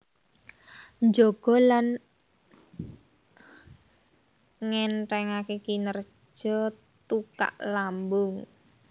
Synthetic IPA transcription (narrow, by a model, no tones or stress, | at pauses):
nd͡ʒoɡ̥ɔ̤lan | ŋɛnʈɛŋakekinər̥ | ʒ̥ɔ | t̪uka̰ʔlambʊŋ